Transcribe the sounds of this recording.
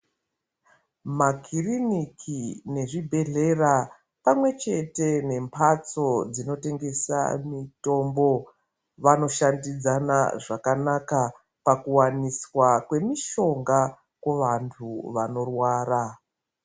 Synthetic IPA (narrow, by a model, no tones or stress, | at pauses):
makirinikʰine̞ʐibʱe̞ɮe̞ra | pamwe̞t͡ʃe̞te̞ne̞mpʰat͡so̞d͡zino̞te̞ŋɡe̞sa̰mito̞mbo̞ | ʋano̞ʃandid͡zanaʐakanaka | pakuwaniswakwe̞miʃo̞ŋɡa | kwoʋantʰuʋano̞rwaːra